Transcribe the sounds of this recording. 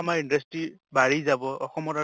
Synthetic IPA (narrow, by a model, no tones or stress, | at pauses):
amaindʌstɹibaɹizabɔɔxɔmɔta